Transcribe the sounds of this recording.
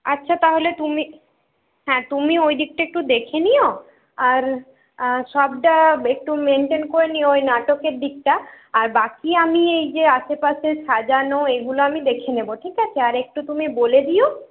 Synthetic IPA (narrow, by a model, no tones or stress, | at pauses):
atːɕʰat̪aɦolet̪umi | ɦɛ̃t̪umiojd̪ik̚ʈaek̚ʈud̪ekʰenijo | aɾ | ʃɔb̚ʈaek̚ʈumeɳʈenkoɾenioojnaʈokeɾd̪ik̚ʈa | aɾbakiamiejd͡ʑeaʃepaʃeʃad͡ʑanoeɡuloamid̪ekʰeneboʈʰikat͡ɕʰeaɾek̚ʈut̪umiboled̪ijo